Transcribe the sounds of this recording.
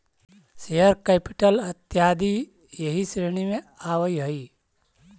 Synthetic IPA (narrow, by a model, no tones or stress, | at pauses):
seɦəɾkɛːpɪʈəlɐt̪jaːd̪i | jəɦisɾeːñimẽaːwəjɦəi